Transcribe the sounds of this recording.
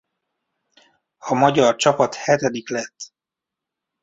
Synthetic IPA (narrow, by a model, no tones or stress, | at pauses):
ɒmɒɟɒrt͡ʃɒpɒt̪hɛt̪ɛd̪iklɛt̪ː